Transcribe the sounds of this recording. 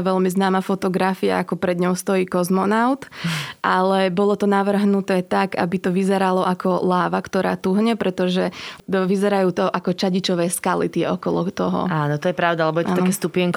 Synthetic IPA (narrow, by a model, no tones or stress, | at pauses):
ʋɛʎmiznaːmafɔt̪ɔɡɾafia̰ʔakɔpɾɛd̪ɲɔʊst̪ɔjiːkɔzmɔnaʊt̪ʔalɛbɔlɔt̪ɔnaʋr̩ɦnut̪ɛːt̪aɡa̰bit̪ɔʋizɛɾalɔʔakʰɔlaːʋakt̪ɔɾa̰ːt̪uɦɲɛpɾɛt̪ɔʒɛʋizɛɾajuːt̪ɔʔakɔt͡ʃaɟit͡ʃɔʋɛːskalḭt̪ɪɛɔkɔlɔ̰t̪ɔɦɔ̰aːnɔt̪ɔjɛpɾaʊd̪alɛbɔjɛʔ̪aanɔaɛst̪upɪɛŋk